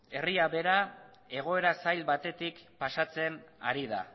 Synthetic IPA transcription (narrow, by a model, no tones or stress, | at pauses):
e̞riaβe̞ɾa | e̞ɣ̞o̞e̞ɾasajlbat̪e̞t̪ikpasat͡se̞na̰ɾiða̰